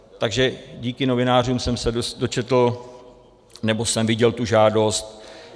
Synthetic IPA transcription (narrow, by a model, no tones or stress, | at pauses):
t̪aɡʒɛɟiːkɪno̞vɪnaːruːmsɛmsɛdosdo̞t͡ʃɛt̪l̩ | nɛbo̞sɛmvɪɟɛlt̪uʒaːdo̞st̪̚